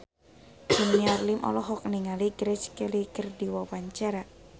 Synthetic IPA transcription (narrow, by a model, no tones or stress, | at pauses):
səniarlimʔɔ̰lɔɦɔk̚niŋaliɡɾɛt͡ʃkəlikərdiwawaɲt͡ʃaɾa